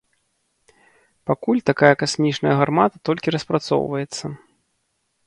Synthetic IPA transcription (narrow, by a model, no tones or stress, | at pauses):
pakulʲt̪akajɐkasʲmʲit͡ʂnɐjɐɣarmat̪ɐt̪ɔlʲkʲiɾɐspɾat̪sɔ̰wvɐjɛt̪sːɐ